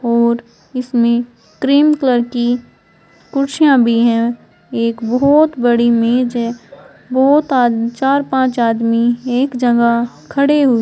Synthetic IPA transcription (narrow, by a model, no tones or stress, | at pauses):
ɔːɾ | ɪsmẽ | kɾiːmkləɾki | kʊɾʃijãbʱiɦɛ̃ | eːkbɔɔːt̪bəɽimeːd͡ʒɦɛ̃ | bɔːt̪aːt͡ʃaːɾpãːt͡ʃaːd̪mieːkd͡ʒɐŋɡa | kʰəɽeɦu